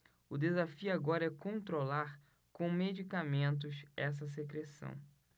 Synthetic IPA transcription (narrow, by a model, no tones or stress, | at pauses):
ʊd̪ezafiuaɡɔɾɐɛkõnt̪ɾolaɾ | kõmed͡ʒikamẽnt̪̬ʊsɛs̬ɐs̬ekɾesɐ̰̃w̃